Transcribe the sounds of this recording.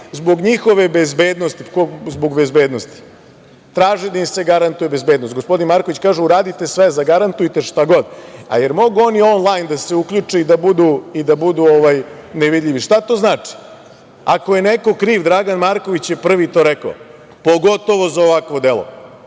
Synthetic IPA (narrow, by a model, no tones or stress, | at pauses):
zbo̞ɡɲixo̞ʋe̞bezbeːd̪nost̪ikozbo̞ɡbezbeːd̪nost̪i̥ | t̪ɾaːʒed̪aimseɡaɾant̪ujebezbeːd̪nost̪ɡospo̞d̪inmaɾkoʋit͡ɕkaːʒeuɾaːd̪it̪e̞sʋezaɡaɾant̪ujt̪e̞ʃt̪aɡo̞d̪a̰jeɾmo̞ɡuo̞nio̞nlˠajnd̪aseukʎut͡ʂeid̪abud̪uid̪abud̪uoʋaj | neʋid̪ʎʲiʋiʃt̪at̪o̞ːznaːt͡ʂi̥ | ako̞je̞neko̞kɾiːʋd̪ɾaɡanmaɾko̞ʋit͡ɕjepr̩ʋit̪o̞ɾekao | po̞ɡo̞t̪o̞ʋo̞zaoʋakʋo̞d̪elo̰